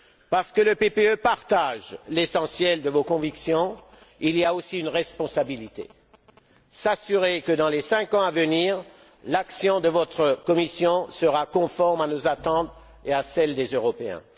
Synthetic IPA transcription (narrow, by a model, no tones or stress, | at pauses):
paʁsə̥kələpepeøpaʁt̪aʒlesɑ̃sjɛld̪əvokɔ̃viksjɔ̃ | iliaosiynʁɛspɔ̃sabilit̪ḛ | sasyʁekəd̪ɑ̃lesɛ̃kɑ̃avəniːʁ | laksjɔ̃d̪əvɔt̪χəkɔmisjɔ̃səʁakɔ̃fɔʁmanozat̪ɑ̃t̪ | easɛld̪ezøʁɔpeɛ̰̃